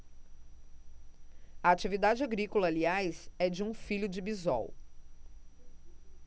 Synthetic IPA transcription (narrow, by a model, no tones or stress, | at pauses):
ɐat͡ʃivid̪ad͡ʒɪaɡɾikolɐːliajzɛd͡ʒɪũfiʎʊd͡ʒɪbizɔ̰w